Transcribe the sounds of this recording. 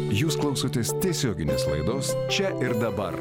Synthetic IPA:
juːsklˠɐʊsoːt̪ʲeːst̪ʲɛɪsʲoːɡʲɪnʲḛːslˠɐ̰ɪd̪oːs | t͡ʃʲɛʔɪɾd̪ɐbɐ̰ɾ

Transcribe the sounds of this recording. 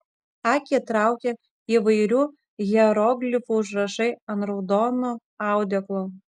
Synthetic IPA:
ɑːkʲiɛt̪ɾɑˑʊkʲɛ | iːʋɐɪɾʲuː | ɣʲɛɾɔɡlʲɪfuːʊʒɾɐʃɐɪɐnt̪ɾɐʊd̪ɔːno | ɑˑʊd̪ʲɛklˠo

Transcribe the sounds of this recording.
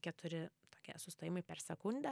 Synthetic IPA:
kʲɛt̪ʊɾʲɪt̪oːkʲiɛsʊsʲt̪oːjɪmɐɪpʲɛrsʲɛkʊnʲd̪ʲɛ

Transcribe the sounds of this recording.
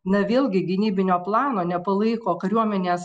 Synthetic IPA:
nɐʋʲeːlˠʲɡʲɪɡʲɪnʲiːbʲɪnʲoːplˠɑːnoːnʲɛpɐlˠɐɪkoːkɐɾʲuɔmʲɛnʲeːs

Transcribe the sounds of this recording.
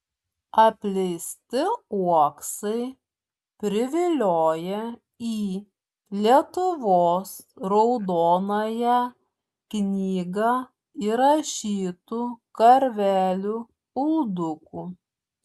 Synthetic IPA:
ɐpʲlʲɛɪsʲt̪ʲɪuɔksɐɪ | pʲɾʲɪʋʲɪlʲoːjɛ | iː | lʲiɛt̪ʊʋoːsɾɔʊd̪oːnoːjɛ | knʲiːɡɑ | iːɾɐʃʲiːt̪uːkɐɾʲʋʲæːlʲuː | ʊlˠd̪ʊkuː

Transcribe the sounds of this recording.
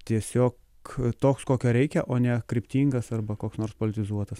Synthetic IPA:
t̪ʲiɛsʲoːk | t̪oːkskoːkʲoːɾʲɛɪkʲɛʔoːnʲɛkɾʲɪpʲt̪ʲiːŋɡɐsɐrbɐkoːksnoːrspoːlʲɪt̪ʲɪzuɔt̪ɐs

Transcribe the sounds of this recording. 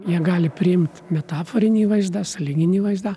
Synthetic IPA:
jiɛɡɑːlʲɪpʲɾʲɪɪmt̪mʲɛt̪ɑːfoːɾʲɪnʲiːʋɐɪzd̪ɑsɐlʲiːɡʲɪnʲiːʋɐɪzd̪ɑ

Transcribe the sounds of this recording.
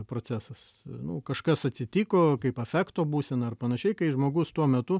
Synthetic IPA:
pɾoːt͡sʲæːsɐsnʊkɐʃkɐsɐtʲsʲɪt̪ʲiːkoːkɐɪpɐfʲæːkt̪oːbuːsʲɛnɐɐrpɐnɐʃʲɛɪkɐɪʒmoːɡʊst̪uɔmʲɛt̪ʊ

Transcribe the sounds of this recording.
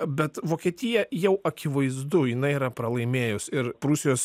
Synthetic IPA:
bʲɛt̪ʋoːkʲiɛt̪ʲɪjɛjɛʊʔɐkʲɪʋɐɪzd̪ʊjɪnɐɪiɾɐpɾɐlˠɐɪmʲeːjʊsɪɾpɾʊsʲɪjoːs

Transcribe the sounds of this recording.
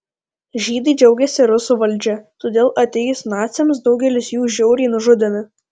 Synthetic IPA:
ʒʲiːd̪ɐɪd͡ʒʲɛʊɡʲɛsʲɪɾʊsuʋɐlʲˑd͡ʒʲɛt̪oːd̪ʲeːlˠʔɐt̪ʲɛjʊsnɑːt̪sʲɛms̬d̪ɒʊɡʲɛlʲɪsjuːʒʲɛʊɾʲɛːnʊʒʊd̪ʲɪmʲɪ

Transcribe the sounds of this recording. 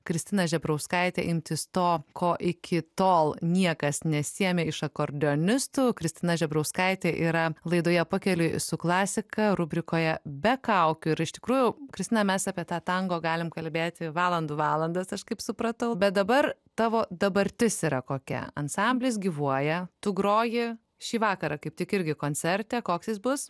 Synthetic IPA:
kɾʲɪsʲt̪ʲɪnɐʒʲɛbɾɐʊskɐɪt̪ʲeːʔɪmʲt̪ʲɪst̪oːkʰoːʔɪkʲʰɪt̪oːlˠnʲiɛkɐsnʲɛsʲiɛmʲeːɪʃɐkoːɾʲd̪ʲɪoːnʲɪst̪ʊkɾʲɪsʲt̪ʲɪnɐʒʲɛbɾɐʊskɐɪt̪ʲeːʔiːɾɐlˠɐɪd̪oːjɛpʊkʲɛlʲʊɪsʊklˠɑːsʲɪkɐɾʊbʲɾʲɪkoːjɛbʲɛkɐʊkʲʊɪɾɪʃt̪ʲɪ̥kɾuːjʊkɾʲɪst̪ʲɪnɐmʲɛsɑːpʲiɛt̪ɑːt̪ɐŋɡoːɡɑːlʲɪmkɐlʲbʲeːt̪ʲɪʋɑːlˠɐnd̪uːʋɑːlˠɐnd̪ɐsɐʃkɐɪpsʊpɾɐt̪ɐʊbʲɛt̪̚d̪ɐbɐrt̪ɑːʋoːd̪ɐbɐɾʲt̪ʲɪsiːɾɐkoːkʲɛ̰ɐ̰nsɐmʲbʲlʲɪsɡʲiːʋuɔjɛt̪ʊɡɾoːjɪ | ʃʲiːʋɑːkɐɾɐkɐɪp̚t̪ʲɪkɪɾʲɡʲɪkoːnʲt͡s̪ʲɛɾʲt̪ʲɛːkoːksʲɪsbʊs

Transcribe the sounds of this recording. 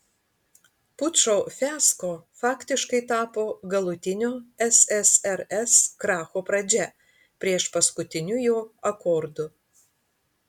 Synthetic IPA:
pʊt̪ʃoːfʲæːskoːfɑːkʲt̪ʲɪʃkɐɪt̪ɑːpoːɡɐlˠʊt̪ʲɪnʲoːɛsɛsɛɾɛskɾɑːxoːpɾɐd͡ʒʲɛ | pʲɾʲiɛʃpɐskʊt̪ʲɪnʲʊjoːɐkɔːɾd̪ʊ

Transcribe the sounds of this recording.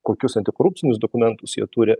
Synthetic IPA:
koːkʲʊsɐnʲt̪ʲɪkoːɾʊp̚ʲtsʲɪnʲʊsd̪oːkʊmʲɛnt̪ʊsjiɛt̪uːɾʲɪ

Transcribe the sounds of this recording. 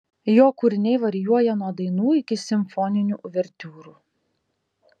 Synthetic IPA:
joːkʊɾʲɪnʲɛɪʋɐɾʲɪjuɔjɛnuɔd̪ɐɪnuːɪkʲɪsʲɪmfɔnʲɪnʲuʔʊʋʲɛɾʲt̪ʲuːɾuː

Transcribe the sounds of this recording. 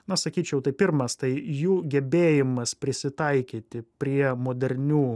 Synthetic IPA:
nɐsɐkʲiːt͡ʃʲɛʊt̪ɐɪpʲɪɾmɐst̪ɐɪjuːɡʲɛbʲeːjɪmɐspʲɾʲɪsʲɪt̪ɐɪkʲiːt̪ʲɪpʲɾʲiɛmoːd̪ʲɛɾʲnʲuː

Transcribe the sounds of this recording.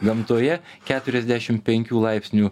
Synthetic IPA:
ɡɐmt̪oːjɛkʲæːt̪ʊɾʲɛzʲd̪ʲæːʃʲɪmʲpʲɛŋʲkʲuːlˠɐɪpʲsʲnʲuː

